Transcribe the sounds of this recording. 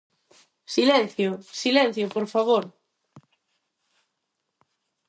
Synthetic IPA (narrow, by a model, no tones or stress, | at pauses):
silɛ̃n̟θjosilɛ̃n̟θjopoɾfaβ̞oɾ